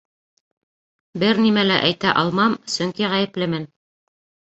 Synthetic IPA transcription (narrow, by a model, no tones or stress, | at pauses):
bɘɾnimælæʔæjt̪æʔɑlˠmɑmsɵ̆ŋkiʁæjɘ̆plɘmɘn